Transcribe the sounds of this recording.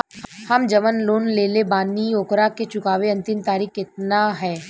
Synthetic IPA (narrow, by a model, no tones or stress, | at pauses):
hɐmd͡ʒɐmənloːnleːlebaːnioːkɾaket͡ʃʊkaːʋeɐ̃nt̪ɪmt̪aːɾiːkɪt̪̚naɦɛː